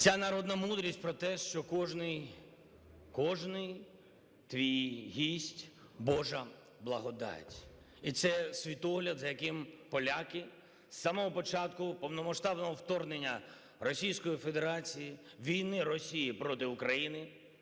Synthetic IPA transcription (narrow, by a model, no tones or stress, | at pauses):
t͡sʲanɐɾɔd̪nɐmud̪ɾʲisʲtʲpɾɔt̪ɛʃt͡ʃɔkɔʒnɪj | kɔʒnɪj | t̪ʋʲijɦʲisʲtʲ | bɔʒɐ | blˠɐɦɔd̪ɑ̰tʲ | it̪sɛsʲʋʲit̪ɔɦlʲɐd̪zɐjɐkɪmpɔlʲakɪ | samɔɦɔpɔt͡ʃat̪kʊpɔwnɔmɐʃt̪ɑbnɔɦɔwt̪ɔrnenʲːɐ | rɔsʲijsʲkɔjifed̪eɾat͡sʲiji | ʋʲijnɪrɔsʲijipɾɔt̪ɪʊkɾɐjinɪ